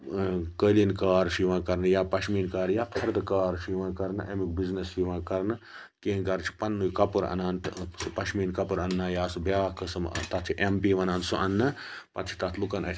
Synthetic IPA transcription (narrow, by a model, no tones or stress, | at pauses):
kəːlinkaːɾʃiʋãːkɐɾnjaːpɐʃʰmiːnkaːɾjaːpʰɐɾd̪kaːɾʃiʋãːkɐɾnʔɐmikbiznɐsʃiʋãːkɐɾnɨ | keːnkɐɾt͡ʃʰi̥pɐnːujkɐpɨɾɐ̰naːnt̪spɐʃmiːnkɐpɨɾɐnːãːjaːsbjaːkɐsɐmt̪ɐt̪ʰiʔempiːʋɐnãːnsuʔɐnːɐpɐt̪ʰi̥t̪ɐt̪ʰlukɐnɐ